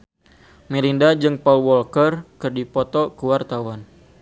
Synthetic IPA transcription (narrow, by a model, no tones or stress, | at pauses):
miɾindad͡ʒɨŋpɔlwɔlkərkɨrdipɔt̪ɔkuwart̪awan